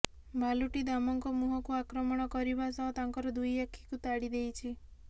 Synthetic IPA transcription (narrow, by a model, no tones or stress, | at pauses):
bʱaluʈid̪amɔŋkɔmuɦɔkuakɾɔmɔɽ̃ɔkɔɾibasɔɦt̪aŋkɔɾɔd̪ujakʰːi̥kut̪aɽid̪ejt͡ʃʰi